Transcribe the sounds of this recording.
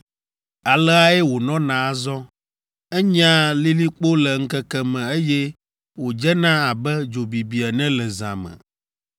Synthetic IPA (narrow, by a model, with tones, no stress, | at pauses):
a˨lɛ˦a˦e˦wo˨nɔ̃˦nã˨a˦zɔ˦ | ɛ˦ɲã˦li˦li˦k͡po˦lɛ˨ŋ̩˦kɛ˦kɛ˦mɛ̃˨e˦jɛ˦ | wo˨d͡ʒɛ˦nã˦a˨bɛ˦d͡ʒo˨bi˨bi˨a˨nɛ̃˦lɛ˨zã̰˨mɛ̰̃˨